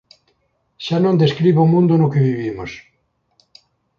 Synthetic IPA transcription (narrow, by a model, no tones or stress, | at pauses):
ʃanõnd̪eskɾiβoʊmũnd̪onʊkeβiβimos